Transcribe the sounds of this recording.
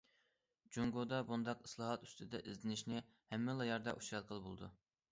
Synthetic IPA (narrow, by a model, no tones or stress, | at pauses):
d͡ʒuŋɡod̪ɑbund̪ɑqislˠɑːɦɑt̪y̥st̪ʰɪd̪ɛ̰ʔizlɪnɪʃnɪ | hɛmːɪlˠɑjɑɾd̪ɑʔuʃɾɑd̪̚qʰəlˠbo̰lˠɨd̪u